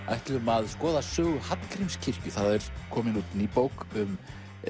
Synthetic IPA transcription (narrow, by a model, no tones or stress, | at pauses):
a̰jht̪lʏmaðskɔːðasʏːɣʏhat̪kʰɾimscʰɪr̥cʏθaðaɛɾ̥kʰɔːmɪnut̪niːpowkʏm